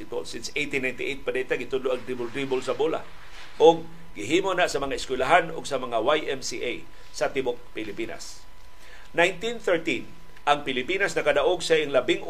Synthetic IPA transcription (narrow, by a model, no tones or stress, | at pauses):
ɪt̪a̰lsɪnsʔejt̪inːajnt̪ɪʔejt̪̚pad̪at̪aɡɪt̪ʊd̪loʔaŋt̪ɾibʊld̪ɾibʊlsɐbola̰ | ʔʊɡ̚ | ɡɪɦiːmonaʔsɐmɐŋaɪskwɪlaɦanʊ̰ɡsɐmɐŋawajʔɛmsiʔaj | sat̪ɪbok̚pɪlɪpina̰s | najnt̪inθɛɹt̪in | ʔaŋpɪlɪpinasnɐkad̪aʔoɡsaʔɪŋlabɪŋʔ